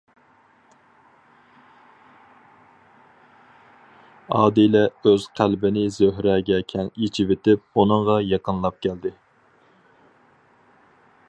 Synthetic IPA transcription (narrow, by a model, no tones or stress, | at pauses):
ɑːd̪ilɛøz̥qʰælbɪnɪzøɦɾɛɡʲɛkʲʰɛnit͡ʃʰivet̪ɪp̚unɨŋʁɑjɑqənlˠɑp̚kʲʰæld̪ɪ